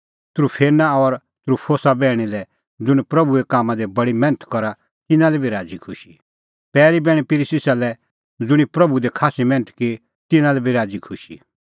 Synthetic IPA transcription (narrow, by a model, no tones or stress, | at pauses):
t̪ɾupʰeːnaɔɾ | t̪ɾupʰoːsabɛːɽ̃ilɛ | d͡zʊɽ̃pɾɐbuekaːmãd̪ebɐɽimɛ̃ːnət̪ʰkɔɾa | t̪ɪnãlɛbʱiɾaːd͡zikʰʊʃi | pɛːɾibɛːɽ̃ipɪɾisɪsalɛ | d͡zʊɽ̃ipɾɐbud̪ɛkʰaːsimɛ̃ːnət̪ki | t̪ɪnãlɛbʱiɾaːd͡zikʰʊʃḭ